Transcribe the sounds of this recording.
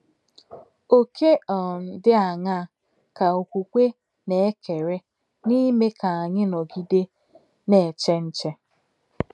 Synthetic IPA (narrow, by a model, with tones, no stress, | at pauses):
o˦ke˦ɔ˨n̩˦˨dɪ˦a˨ŋa˦˨ | ka˨o˨kʷu˨kʷe˦ | ne˨e˦kʰe˨ɾe˦ | ni˦me˦ka˨a˨ɲɪ˦nɔ˨ɡi˦de˦ | ne˨t͡ʃe˦n̩˦t͡ʃe˦